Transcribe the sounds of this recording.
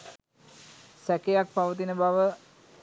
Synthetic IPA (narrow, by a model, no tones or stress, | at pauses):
sækejak̚paʋət̪̬inəbaʋə